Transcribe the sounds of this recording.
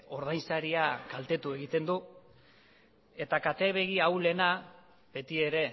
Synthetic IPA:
o̞ɾð̞ajnsaɾiakalt̪e̞t̪ue̞ɣ̞it̪e̞nd̪u | e̞t̪akat̪e̞βe̞ɣ̞iawle̞na | be̞t̪ie̞ɾe̞

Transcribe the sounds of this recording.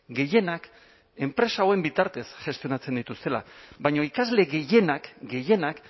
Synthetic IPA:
ɡe̞je̞nak | e̞mpɾe̞saoe̞mbit̪aɾt̪e̞sʝe̞st̪io̞nat͡send̪it̪ust̪e̞la̰βajɲoikazle̞ɣe̞je̞nakɡe̞je̞nak

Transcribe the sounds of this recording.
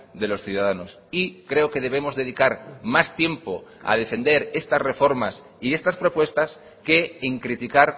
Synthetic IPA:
d̪e̞lo̞sθjuðaðano̞s | ikɾe̞oke̞ð̞e̞β̞e̞mo̞zðe̞ð̞ikaɾmast̪je̞mpo̞a̰ðe̞fe̞nd̪e̞ɾe̞st̪asre̞fo̞ɾmas | ie̞st̪aspɾo̞pwe̞st̪as | ke̞ːŋkɾit̪ikaɾ

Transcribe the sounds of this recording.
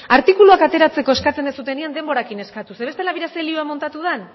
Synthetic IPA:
aɾt̪ikuluakat̪e̞ɾat͡se̞ko̞e̞skat͡se̞nesut̪e̞niand̪e̞mbo̞ɾakine̞skat̪use̞βe̞st̪e̞laβiɾaselioamo̞nt̪at̪uð̞en

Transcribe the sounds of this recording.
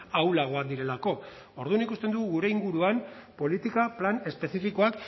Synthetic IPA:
awlaɣ̞oand̪iɾe̞lako̞ | o̞ɾðunikust̪e̞nd̪uɣuɣuɾe̞iŋɡuɾuampo̞lit̪ikaplane̞spe̞sifiko̞ak

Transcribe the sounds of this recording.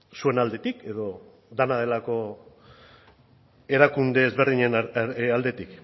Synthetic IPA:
sue̞nald̪e̞t̪ike̞ðo̞ | d̪anað̞e̞lako̞ | e̞ɾakund̪e̞ːzβe̞ɾðiɲe̞nald̪e̞t̪ik

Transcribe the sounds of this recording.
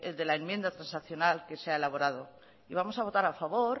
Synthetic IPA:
eld̪e̞laemjẽ̞nd̪at̪ɾãnsaθjo̞nalke̞seae̞laβo̞ɾað̞o̞ | iβ̞amo̞saβ̞o̞t̪aɾafaβo̞ɾ

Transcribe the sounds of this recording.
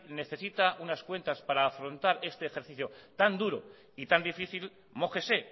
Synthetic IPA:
ne̞θe̞sit̪aʔunaskwe̞nt̪aspaɾaːfɾo̞nt̪aɾe̞st̪e̞ːxe̞ɾθiθjot̪and̪uɾo | it̪and̪ifiθil | mo̞ke̞se̞

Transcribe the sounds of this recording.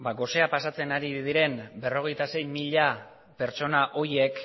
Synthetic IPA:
baɡo̞se̞apasat͡se̞naɾið̞iɾe̞mbe̞ro̞ɣ̞e̞jt̪ase̞jmiʎa | pe̞ɾt͡so̞naʔo̞ie̞k

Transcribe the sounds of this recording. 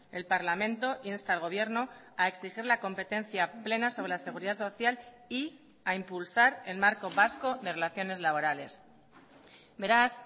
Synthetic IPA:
e̞lpaɾlamẽ̞nt̪o̞ʔinst̪aːlɣ̞o̞β̞je̞ɾno̞ | ae̞ksixiɾlako̞mpe̞t̪ẽ̞nθjaple̞naso̞βɾe̞lase̞ɣ̞uɾiðaso̞θjal | i | aimpulsaɾe̞lmaɾko̞βasko̞ðe̞re̞laθjo̞ne̞zlaβo̞ɾale̞s | be̞ɾas

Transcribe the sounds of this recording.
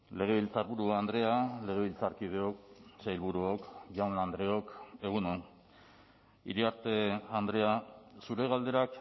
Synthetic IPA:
le̞ɣ̞e̞βilt͡saɾβuɾuand̪ɾe̞ale̞ɣe̞β̞ilt͡saɾkiðeok̚sejlβuɾuokʝawnand̪ɾe̞o̞ke̞ɣ̞unon | ḭɾiaɾt̪e̞and̪ɾe̞asuɾe̞ɣ̞ald̪e̞ɾak

